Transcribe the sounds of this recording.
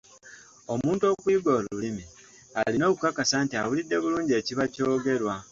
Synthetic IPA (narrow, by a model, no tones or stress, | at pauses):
o̞muːnto̞kwiːɡoːlulimi | alino̞ːβukakasantiawulidːe̞βuluːɲɟe̞ːciβaco̞ːɡe̞ɾwa